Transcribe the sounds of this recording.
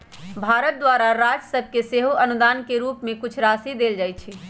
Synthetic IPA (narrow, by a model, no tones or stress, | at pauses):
bʱaɾət̪̚d̪waɾaɾad͡ʒsəb̚ʱkeseɦoʔənud̪aːnkeɾuːpmẽkut͡ʃʰɾasid̪eld͡ʒajt͡ʃʰi